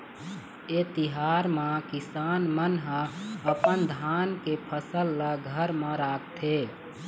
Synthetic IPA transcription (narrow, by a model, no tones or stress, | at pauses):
et̪ɪɦaːɾmãkɪsaːnmənɦə̃əpənd̪ʱaːnkepʰəsəlːəɡʱəɾmãɾaːk̚ʰt̪ʰeː